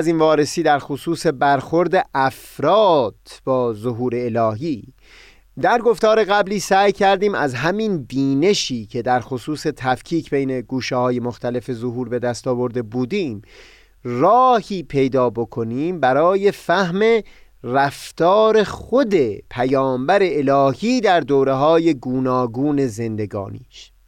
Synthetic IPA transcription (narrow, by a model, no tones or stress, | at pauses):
ziːnvɒːɾe̞siːd̪æɾxosuːse̞bæɾxo̞ɾd̪e̞ʔæf | ɾɒːd̪̥b̥ɒːzoɦuːɾe̞ːlɒːɦiː | d̪æɾɡo̞ft̪ɒːɾe̞ɣæbliːsæːjcʰæɾd̪iːmæ̰zɦæmind̪iːne̞ʃiːcʰe̞d̪æɾxosuːse̞t̪ʰæfcʰiːcʰbejne̞ɡuːʃehɒːje̞moxt̪æle̞fe̞zo̞ɦuːɾbe̞d̪æst̪ɒːbo̞ɾd̪e̞buːd̪iːm | rɒːhiːpʰe̞jd̪ɒːbo̞kʰo̞niːmbæɾɒːje̞fæhme̞ræft̪ɒːɾe̞χo̞d̪e̞pʰæjɒːmbæɾe̞ːlɒːhiːd̪æɾd̪oːɾe̞ɦɒːje̞ɡuːnɒːɡuːne̞ze̞nd̪e̞ɡɒ̰ːnḭːʃ